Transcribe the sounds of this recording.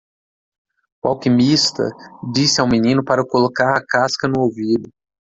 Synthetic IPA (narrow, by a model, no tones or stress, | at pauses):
wawkimist̪ɐ̰d͡ʒisɪawminĩnʊpaɾɐkolokaɾɐkaskɐnʊowvid̪ʊ